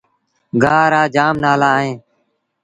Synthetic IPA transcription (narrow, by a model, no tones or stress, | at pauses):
ɡʱaːɾaːd͡ʒaːmnaːlaːɦẽː